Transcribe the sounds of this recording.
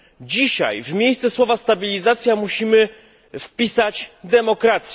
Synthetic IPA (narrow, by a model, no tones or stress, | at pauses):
d͡ʑiɕa̰jvmʲejst̪ɛswɔvast̪abʲilʲizat̪sʲjamuɕimɘ | fpʲisat͡ɕd̪ɛmɔkɾat̪sʲ